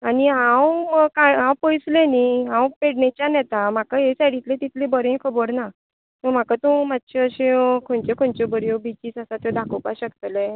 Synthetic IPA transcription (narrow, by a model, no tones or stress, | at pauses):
aniɦãwəkaɦãwpojsleniɦãwpeɽnet͡ɕjanjɛt̪am̤akaɦesaɽit̪lẽt̪it̪lebəɾẽkʰəbəɽna | t̪əm̤akat̪ũmat̪ɕeəɕẽkʰõɳt͡ɕekʰoɳt͡ɕɔbəɾjobit͡ɕiːt͡sasat̪jɔd̪ʱakʰopaɕəkt̪le